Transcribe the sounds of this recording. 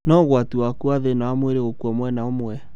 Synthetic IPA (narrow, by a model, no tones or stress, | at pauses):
nɔɣwatuakuaðenawamweɾeɣokwɔmwɛnaomwɛ